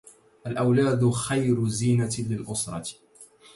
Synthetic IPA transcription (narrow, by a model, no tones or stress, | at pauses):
ʔalʔawlaːd̪xajɾʊziːnalɪlʔʊsɾˤɑ̰